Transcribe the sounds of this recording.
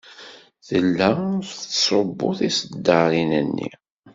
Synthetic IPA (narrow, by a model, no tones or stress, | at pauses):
θəlːæθθsˤobːʊθisəd̪ːɑɾinənːḭ